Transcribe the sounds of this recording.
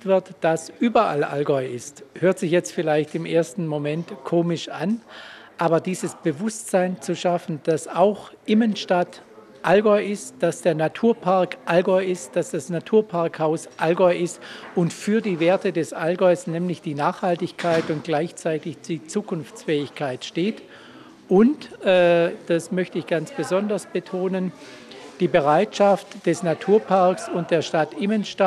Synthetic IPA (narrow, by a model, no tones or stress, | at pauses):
tv̥ɪɐtd̥asʔyːbɐʔa̰lʔa̰lɡɔɪɪsthøːɐtz̥ɪçjɛt͡stfɪlaɪçtɪmʔeːɐstn̩momɛntkʰoːmɪʃʔan | ʔaːbɐdiːzəsb̥əvʊstz̥aɪnt͡suʃafn̩d̥asaʊxʔɪmənʃtat | ʔalɡɔʏɪstd̥asd̥eːɐnatʰuːɐpʰaɐkʔalɡɔʏɪstd̥asd̥asnatʰuːɐpʰaɐkhaʊsʔalɡɔʏʔɪstʊntfyːɐdiːveːɐtədɛsʔalɡɔʏsnɛːmlɪçd̥iːnaːχhaltɪçkʰaɪtʊnt̚ɡ̥laɪçt͡saɪtɪçd̥iːt͡suːkʰʊnft͡sfɛːɪçkʰaɪtʃteːt | ʔʊntʔɛːd̥asmœçtəɪçɡ̥ant͡sb̥əzɔndɐsb̥ətʰoːnən | d̥iːbəʁaɪtʃaftd̥ɛsnatʰuːɐpʰaɐksʊnt̚d̥eːɐʃtatʔɪmənʃta